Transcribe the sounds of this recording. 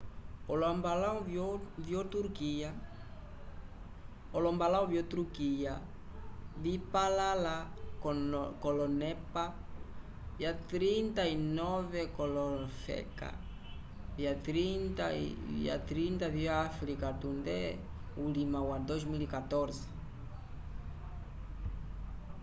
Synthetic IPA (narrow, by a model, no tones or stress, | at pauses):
oloambalawvjovjot̪uɾkia | olombalawvjot̪ɾukia | βipalalakkolonɛpa | vjat̪ɾint̪ainɔvekolɔfɛ̰ka̰ | viat̪ɾint̪aḭḭa̰t̪ɾint̪aβiaafɾikat̪und̪ɛ | ulimawad̪ozmilikat̪ɔɾze̥